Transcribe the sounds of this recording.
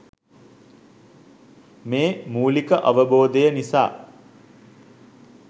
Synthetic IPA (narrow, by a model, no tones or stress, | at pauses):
meːmuːlikəʔaʋəboːd̪əjənisa̰ː